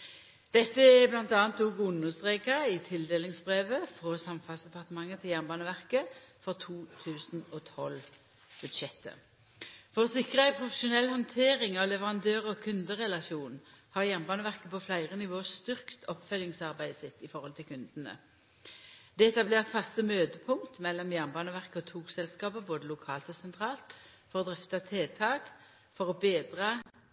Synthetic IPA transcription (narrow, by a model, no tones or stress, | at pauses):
d̪̥ɛt̪ːəɛblɑnt̪ɑːnt̪uːɡʊnəst̪ʁeːkɑɪt̪ʰɪld̪eːlɪŋsbʁeːʋəfʁɔsɑmfɑlsd̪ɛpɑʁt̪əmɑŋːət̪ʰɪljæʁnbɑːnəʋæʁkəfɔʁt̪ʰuːt̪ʰʉːsn̩oːt̪ʰɔl | b̥ʉd̪ʃɛt̪ːə̰ | fɔʁɔsɪkʁəæɪpʰʁʊfəʃʊnɛlhɔnt̪ʰeːʁɪŋɑʋlɛʋəʁɑnd̪øːʁɔkʰʉnd̪əʁɛlɑʃuːnhɑːʁjæʁnbɑːnəʋæʁkəpʰɔflæɪʁənɪʋoːəst̪ʏʁkt̪ʰɔpfœlɪŋsɑʁbæɪsɪt̪ːɪfɔʁhɔlt̪ʰɪlkʉnd̪ənə̰ | d̪ɛɛt̪ːɑbleːʁt̪fɑst̪əmøːd̪əpʰʊŋt̪mɛlːɔmjæʁnbɑːnəʋæʁkəɔt̪ʰuːksɛlskɑːpəboːd̪əlʊkʰɑːlt̪ɔsɛnt̪ʰʁɑːlt̪fɔʁɔd̪ʁʏft̪ɑt̪ʰeːt̪ʰɑːk | fɔʁɔbeːd̪ʁɑː